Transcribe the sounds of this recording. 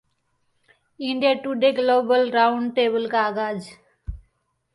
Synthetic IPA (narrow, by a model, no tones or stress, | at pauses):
ɪ̃ɳɖiaʈuːɖeːɡloːbəlɾãʊ̃ɳɖʈeːbəlkaːɡaːd͡ʒ